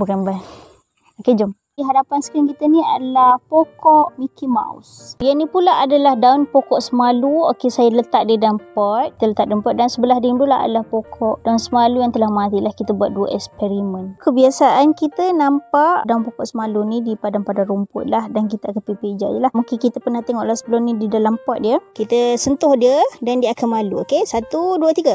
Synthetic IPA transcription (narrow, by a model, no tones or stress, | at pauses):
bukanba | oked͡ʒɔm | diɦadapansə̥kɾimkit̪ənia̰dalahpokɔʔmikima̰ṵsjanĩpulaʔadalahdaʊnpokɔʔsəmaluokesajalət̪aʔ̚didampɔt̪̚d̪ələt̪aʔ̚dampɔt̪̚dansəbəlahdiŋdulaɦa̰dalahpokʰɔʔd̥aunsəmalujaŋt̪əlahmat̪ilahkit̪əbuat̪̚duəʔɛkspɛɾimənkəbiasaʔankit̪ənampaʔdaunpokɔʔsəmalunidipadaŋpadaɾumpʊ̰t̪̚lahdank̬it̪əakanpeped͡ʒa̰ʔjəlahmuŋkɪnkit̪əpənaht̪eŋɔʔlahsəbəlʊmnididalampɔt̪̚diəkit̪əsənt̪ʊhdiədandiəakamaluokesat̪uduət̪iɡa